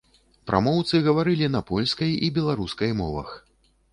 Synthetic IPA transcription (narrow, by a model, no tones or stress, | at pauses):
pɾʔa̰mɔwt̪sɨɣɐvaɾɨlʲinɐpɔlʲskɐjibʲɛlˠaɾuskɐjmɔ̰vɐ̰x